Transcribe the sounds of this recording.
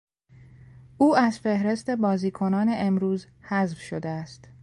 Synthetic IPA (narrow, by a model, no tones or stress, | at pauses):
ʔuːæzfe̞hɾe̞st̪e̞bɒːziːkʰo̞nɒːne̞ʔemɾuːz | hæzvʃod̪eæst̪